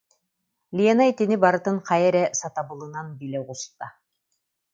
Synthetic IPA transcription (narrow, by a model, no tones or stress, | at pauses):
lʲiɛnait̪inibaɾɯ̆t̪ɯɴqɑjɛɾɛsɑt̪ɑbɯ̆lˠɯ̆nanbilʲɛʁust̪a